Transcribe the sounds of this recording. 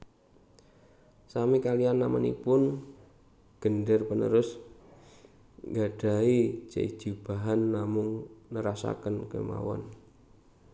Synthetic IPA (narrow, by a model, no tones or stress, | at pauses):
samikalianːamanḭpʊn | ɡ̥ənɖərpənə̰ɾʊs | ŋɡaɖ̥a̤id͡ʒ̥a̰i̥d͡ʒ̥ub̥a̤ɦanːamʊŋnəɾasa̰kənkḛma̰wɔ̰n